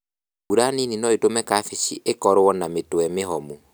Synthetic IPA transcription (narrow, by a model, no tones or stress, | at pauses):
uɾanininɔetomɛkafiʃiʔekɔɾɔnametwɛmeɦɔmu